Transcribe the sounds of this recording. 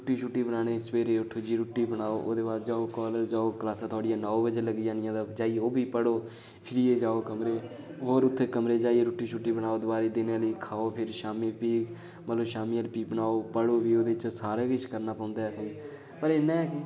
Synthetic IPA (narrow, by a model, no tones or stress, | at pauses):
ɾʊʈːiːt͡ʃʰuːʈːiːbənaːnẽːspeːɾeːʊʈʰːoːd͡ʒiːɾuːʈːiːbəɽaːoːʔoːd̪eːbaːɾd͡ʒaːoːkɔːləld͡ʒaːoːklaːsãːt̪ʰɔːɽɪjãːnɔːobəd͡ʒeːləɡɪjãːnɪjãːd̪aːd͡ʒaːiːoːbiːpəɽoː | pʰɪɾijeːd͡ʒaːoːkəmɾeː | ɦoːɾʊt̪ʰːeːkəmɾeːd͡ʒaːieːɾʊːʈːiːt͡ʃʰuːʈːiːbənaːoːd̪baːɾiːd̪ɪneləiːkʰaːoːpʰɪɾʃaːmiːpiːk | mət̪ləbʃaːmiːəlpiːkbənaːoːpəɽoːbiːoːd̪eːt͡ʃsaːɾeːkɪt͡ʃʰkəɾnaːpɔ̃ːnd̪aːɛs | pəɾeːnãːɛːkɪ